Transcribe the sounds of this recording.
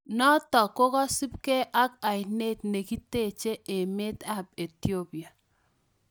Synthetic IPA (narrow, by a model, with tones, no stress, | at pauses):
nɔ˦tɔ˨ko˦kɔ˦si˦p̚kɛ˦ʔa˦k̚a˨jne˦t̚ne˨ki˦te˦˨t͡ʃe˦ʔe˨me˦ta˦˨p̚e˨ti˦o˦pi˨a˨